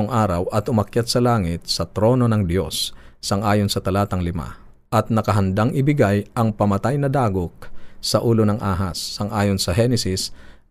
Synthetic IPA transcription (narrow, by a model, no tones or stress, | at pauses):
oŋʔaːɾɐwʔɐt̪ʊmɐkjat̪̚sɐlaːŋɪt̪̚sɐt̪ɾo̞ːno̞nɐŋd̪jo̞sːɐŋʔaːjonsɐt̪ɐlaːt̪ɐŋlɪma̰ | ʔɐt̪̚nɐkɐɦɐnd̪aŋɪbɪɡajʔɐŋpɐmɐt̪ajnɐd̪aːɡok̚sɐʔuːlonɐŋʔaːɦɐsːɐŋʔaːjonsɐɦɛnɛsɪs